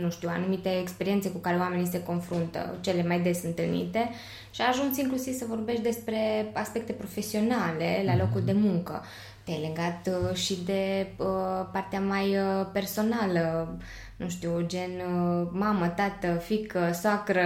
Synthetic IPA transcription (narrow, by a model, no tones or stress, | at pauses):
nuʃt̪iuwa̰numit̪e̞ːkspe̞ɾie̞nt̪se̞kukaɾe̞oame̞nise̞ko̞nfɾunt̪ə̰t͡ʃe̞le̞majd̪e̞sɨnt̪ɨlnḭt̪e̞ | ʃiaʒunsiŋklusiv̥səvo̞rbe̞ʃt̪d̪e̞spɾe̞aspe̞k̚t̪e̞pɾo̞fe̞sio̞nale̞lalo̞kuld̪e̞muŋkə̰ | t̪ejleɡat̪ʃid̪e̞əpart̪eamajpe̞rso̞nalə | nuʃt̪iwd͡ʒe̞nmamət̪at̪əfikəsoakɾə